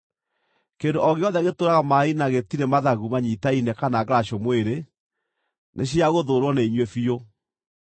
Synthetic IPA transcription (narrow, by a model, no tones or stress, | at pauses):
kendoʔɔɣeɔðɛaɣetoːɾaɣamainaɣetiɾemaðaɣumaɲitainɛkanaɣɾaɕomweɾe | nʔeɕ̬iaɣoðoːɾwɔneiɲwefio